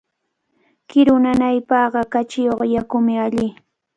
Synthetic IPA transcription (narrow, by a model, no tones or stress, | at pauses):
kɪɾʊnanajpɑɢɑkat͡ʃɪjoχjakʊmɪaʎɪ